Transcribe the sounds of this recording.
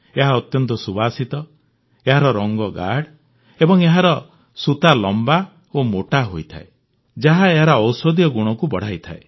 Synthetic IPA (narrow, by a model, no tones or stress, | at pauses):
eɦaɔt̪jɔnt̪ɔsubasit̪ɔ | eɦaɾɔɾɔŋɡɔɡa̰ɽ | ebɔŋeɦaɾɔ | sut̪alɔmba | omoʈaɦojt̪ʰa̰e | d͡ʒaɦaeɦaɾɔːwsɔd̪jɔɡuɽ̃ɔkubɔɽ̤ajt̪ʰa̰e